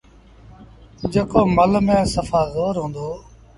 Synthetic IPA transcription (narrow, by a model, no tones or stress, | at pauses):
d͡ʒeːkoːməlmẽːsəfaːɣoːɾɦõːnd̪oː